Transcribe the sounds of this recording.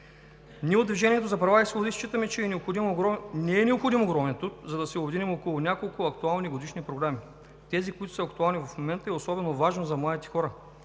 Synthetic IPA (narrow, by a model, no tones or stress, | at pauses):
nʲiɛʊd̪d̪viʒɛniɛt̪ozɐpɾɐvaisobd̪ist͡ʃit̪əmɛt͡ʃɛːnɛopxod̪imɾnɛːnɛopxod̪imoɡɾɔmɛnt̪ɾut̪zɐd̪ɐsɛʊbɛd̪inɛmokolˠʊnʲakolˠkʊɐkt̪ualˠniɡod̪iʃnipɾoɡɾami | t̪ɛzikoit̪ʊ̥səɐkt̪ualˠnivɐfmomɛnt̪əɛosɔbɛnovaʒnozɐmlˠad̪it̪ɛ̥xɔɾə